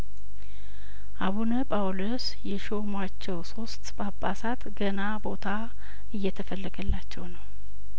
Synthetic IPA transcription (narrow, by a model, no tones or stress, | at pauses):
ʔaβunəpʼawlos | jɛʃomwat͡ʃːɛwso̞st̪bapʼːasat̪ɡənabo̞t̪ʰa | ɨjːɛt̪ʰəfəlːəɡəlːat͡ʃːɛwnəw